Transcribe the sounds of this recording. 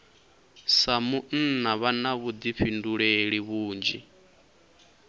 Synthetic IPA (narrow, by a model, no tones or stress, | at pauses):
samun̩naβanaβud̪ipɸʰinduɺeɺiβuːnd͡ʒḭ